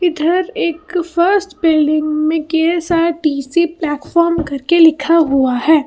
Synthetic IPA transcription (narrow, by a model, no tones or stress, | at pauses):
ɪd̪ʱəɾeːkfəɾsʈpɪlɖɪ̃ŋɡmẽkeːsaʈiːsiplɛːʈfɔːɾmkɐɾkelɪkʰaɦuaɦɛː